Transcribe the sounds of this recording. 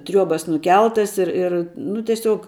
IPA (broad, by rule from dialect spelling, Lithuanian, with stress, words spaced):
ˈtʲrʲuɔbɐs nʊˈkʲɛlˠtɐs ɪr ɪr ˈnʊ tʲɛˈsʲuɔk